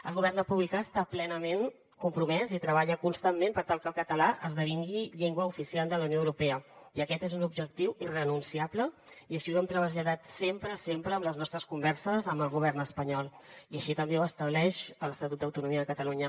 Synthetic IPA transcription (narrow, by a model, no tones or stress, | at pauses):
əlˠɣuβɛrnəpuβlikaəst̪aplɛnəmen | kumpɾumɛzit̪ɾəβaʎəkunst̪ammẽmpəɾt̪alˠkəlˠkət̪əlaʔəzðəβ̞iŋɡiʎeŋɡwəufisiald̪ələwnjoəwɾupɛəiəkɛt̪ezunubʒək̚t̪iwirənunsiabləiəʃiwɛmt̪ɾəβəzʎəðat̪sempɾəsempɾəːmləznɔst̪ɾəskumbɛɾsəzəmbəlˠɣuβ̞ɛrnəspəɲɔlˠiəʃit̪əmbewəst̪əβ̞lɛʃələst̪ət̪ut̪d̪əwt̪unumiəðəkət̪əluɲə